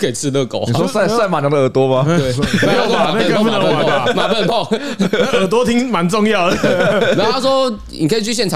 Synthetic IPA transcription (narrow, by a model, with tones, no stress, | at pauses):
ke˨˩ɪt͡s̩ʰ˥˧lə˥˧ko˨ʊni˨˩wɔ˦˥sa˥˩ɪsa˥˩ɪma˨˩jdə˨əː˨˩t̪wɔ˦˥ma˧e˥˩˨a˥a˨˩˥u˥˩nə˧˦˨a˨˩a˨ma˨˩pə˥˧npɔ˥˧ | ə˨˧˩t̪wɔ˦˥t̪ʰi˦˥ŋma˨˦nt͡sɔ˥˧ŋjɑ˥˨ʊdə˩a˧˥a˥swɔ˦nnḭ˨kʰə˥˨˩t͡ɕʰy˥˧ɕ̬jɛ˥˨nʈ͡ʂʰɑ˨